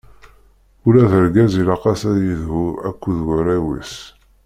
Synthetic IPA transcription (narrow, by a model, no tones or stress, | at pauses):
ʊlæðəɾɡæzilɑqɑsæðjəðɦuækʷːuðwəɾæwḭs